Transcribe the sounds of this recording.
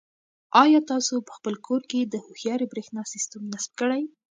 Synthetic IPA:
ɑjɑt̪ɑsopə̥xpəlkʰoɾked̪əhoxjɑɾibɾexnɑsɪst̪amnasb̚kəɽaj

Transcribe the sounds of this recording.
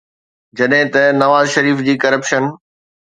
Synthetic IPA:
d͡ʑɐɗɦɪ̃t̪ɐnɐʋaːzʃɐɾiːfd͡ʑiːkɐɾəpʃən

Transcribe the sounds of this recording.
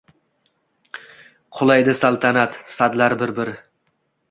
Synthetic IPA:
qʰʊlˠajd̪ɪsalˠt̪ʰanat̪sad̪laɾbɪɾbɪɾɪ

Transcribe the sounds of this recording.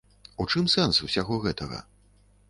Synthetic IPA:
ut͡ʂɨmsɛnsusʲaɣɔɣɛt̪ɐɣɐ̰

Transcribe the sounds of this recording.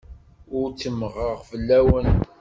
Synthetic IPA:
ʊɾt͡sːəmʁəʁfəlːæwən

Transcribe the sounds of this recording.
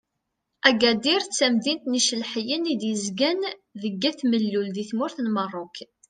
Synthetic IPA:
æɡæd̪iɾt͡sːæmðint̪niʃəlħjənid̪jəzɡænðəɡːæθməlːulðiθmʊɾθnmərˤːok

